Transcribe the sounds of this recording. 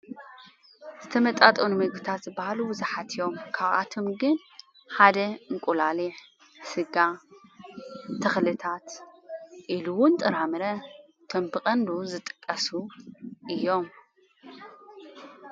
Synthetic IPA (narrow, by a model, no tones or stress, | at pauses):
z̥ɨt̪ʰɐmɐt̪ʼat̪ʼonumɨɡit̪ʰat̪zɨbahalubɨzaħat̪ʰɨjo̞mkʰaβʔa̰t̪ʰo̞mɡɨn | ħad̪ɐɨŋkʷʼulaliʕ | sɨɡa | t̪ʰɐxlɨt̪ʰat̪ | ʔiluwʊnt̪ʼɨɾamɨɾɐ | t̪ʰɐmbɨkʼɐnluzɨt̪ʼɨ̥kʼːɐsuʔɨjːo̞m